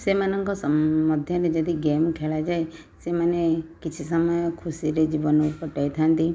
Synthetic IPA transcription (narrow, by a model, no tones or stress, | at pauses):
semanəŋkɔsməd̪ʱjɔned͡ʒəd̪iɡemkʰelad͡ʒaj | semənekɪt͡ʃʰisəməjkʰusiɾed͡ʒiʋənupəʈajt̪ʰant̪i